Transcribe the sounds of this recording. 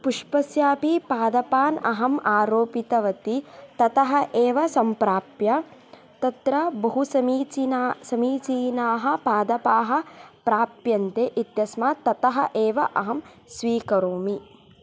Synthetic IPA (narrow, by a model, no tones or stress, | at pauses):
puʂpɐsjaːpipaːd̪ɐpaːnɐ̰ɦɐmaːɾoːpit̪ɐʋɐt̪it̪ɐt̪ɐɦɐʔeːʋɐsɐmpɾaːpjɐ | t̪ɐt̪ɾɐbɐɦusɐmiːt͡ʃisɐmiːt͡ʃiːnaːɦɐ̆paːd̪ɐpaːɦɐ̆pɾaːpjɐnt̪eːʔit̪jɐsmaːt̪ɐt̪ɐɦɐ̆ʔeːʋɐʔɐɦɐm | sʋiːkɐɾoːmi